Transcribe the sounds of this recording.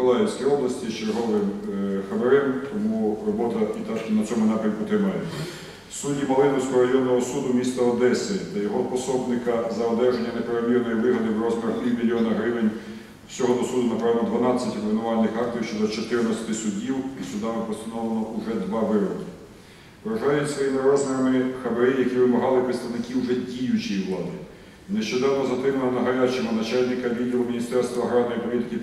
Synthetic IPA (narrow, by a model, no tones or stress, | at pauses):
ɔlˠɑjɛwsʲkijɔblˠɐsʲtʲist͡ʃerɦɔʋɪmxɐʋeɾɛmt̪ɔmurɔbɔt̪ɐit̪aʃʲinɐt͡sʲɔmʊnɑpɾʲɐmkʊt̪ɾɪmɑjɛ | sudʲimɐlˠɪnɔsʲkɔɦɔɾɐjɔnːɔɦɔsud̪ʊmʲist̪ɐɔd̪ɛsɪt̪ɐjɔɦɔpɔsɔbnɪkɐzɐɔd̪ɛʒenʲːɐnepeɾɐmʲirnɔjiʋɪɦɐd̪ɪwɾɔzmɐt̪ʲimʲilʲjɔnɐɦɾɪʋenʲ | wsʲɔɦɔd̪ɔsud̪ʊnɐpɾɑʋnɐd̪ʋɐnɑt͡sʲːɐtʲɔbʋʲenʊʋɑnnːɪxɑkt̪jiwʃt͡ʃɔd̪ɔt͡ʃɔt̪ɪɾnɐsʲɐ̥t̪ɪsʊdʲiwisʲʊd̪ɑmɪpɔst̪ɐnɔwlˠenɔuʒɛd̪ʋɑʋɪɾɔkʲi | ʋɾɐʒɑjʊsʋɔjimɪɾɔzmeɾɐmɪxɐbɐɾɪjɐkʲiʋɪmɐɦɑlˠɪpɾɪt̪st̪ɐʋnɪkɪwʒɛdʲijʊt͡ʃijiwlˠɑd̪ɪ | neʃt͡ʃɔd̪ɑwnɔzɐt̪ɾɪmɐnɐnɐɦɐɾʲat͡ʃɪmɔnɐt͡ʃalʲnɪkɐʋʲid̪ɔmɔmʲinʲist̪ɛrst̪ʋɐɦɾanːɔjipɔlʲit̪ɪ̥kɪ